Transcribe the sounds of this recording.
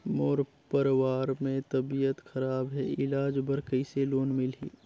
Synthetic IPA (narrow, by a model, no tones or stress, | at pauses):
moːɾ | pəɾwaːɾmẽt̪əbijət̪xɐɾaːbɦɛɪlaːd͡ʒbəɾkəɪseloːnmɪlɦḭː